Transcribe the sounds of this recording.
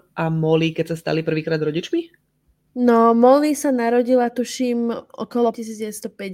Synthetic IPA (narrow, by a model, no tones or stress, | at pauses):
ʔamɔlikɛcsast̪a̰lipr̩ʋiːkɾaːd̪ɾɔɟit͡ʃmi | nɔmɔlisanaɾɔɟilat̪uʃiːmʔɔ̰kɔlɔcisiːd͡zdɟɛʋɛt̪st̪ɔpɛ